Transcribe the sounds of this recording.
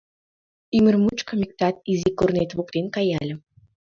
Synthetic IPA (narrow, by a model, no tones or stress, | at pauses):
ymərmut͡ɕkəmʲik̚t̪ɑt̪̚izikornet̪βuk̚t̪enkɑjɑlʲə̆